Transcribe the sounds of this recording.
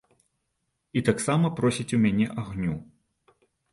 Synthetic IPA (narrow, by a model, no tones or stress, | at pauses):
it̪aksamɐpɾɔsʲit͡sʲumʲanʲɛʔaɣnʲu